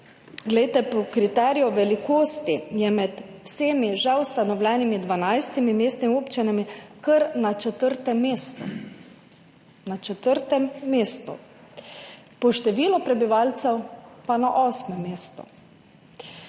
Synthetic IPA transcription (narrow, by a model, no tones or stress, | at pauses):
ɡlɛjt̪ɛpɔkɾit̪ɛːɾijɔʋɛlikoːst̪ijɛmɛt̪wseːmiʒɛwst̪anɔwlɛːnimid̪ʋanajst̪imimeːst̪nimioːpt͡ʃinamikəɾnat͡ʃɛt̪əɾt̪ɛmeːst̪ṵ | nat͡ʃɛt̪əɾt̪ɛmːeːst̪ṵ | pɔʃt̪ɛʋiːlɔpɾɛbiʋaːlt̪sɛwpanaʔɔːsmɛmːeːst̪ṵ